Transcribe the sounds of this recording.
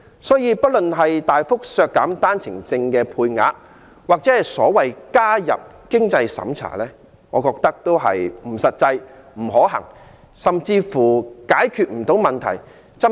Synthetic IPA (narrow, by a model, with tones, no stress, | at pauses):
sɔː˨˥jiː˧pɐ˥t̚lɵ˨nɦɐ˨jt̪aː˨jfʊ˥k̚sœː˧kːaː˨˥mt̪aː˥nt͡sʰɪ˨˩ŋt͡sɪ˧ŋkɛː˧pʰuː˧jŋa̰ː˨˥ | waː˨k̚t͡sɛː˨˥hɐ˨˩jsɔː˨˥wɐ˨jkaː˥jɐ̰˨p̚ | kɪ˥ŋt͡sɐ˧jsɐ̰˨˥mt͡sʰa̰ː˨˩lɛː˥ | ŋɔ̰ː˨˧kɔː˧k̚t̪ɐ˥k̚t̪o˥wɦɐ̰˨jm̩˨˩sɐ˨t̚t͡sɐ˧jm̩˨˩ɦɔː˨˥ɦɐ̰˨˩ŋ | sɐ˨mt͡siː˧fuː˨˩kaː˨˥jkʰyː˧t̚m̩˨˩t̪o˨˥wmɐ˨nt̪ʰɐ̰˨˩j | t͡sɐ˥